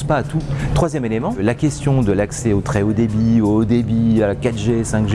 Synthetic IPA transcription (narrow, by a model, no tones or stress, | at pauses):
spaːt̪ut̪χwazjɛmelemɑ̃lakʲɛst̪jɔ̃d̪əlaksɛot̪χɛod̪ebiod̪ebiakat̪ʒesɛ̃kʒ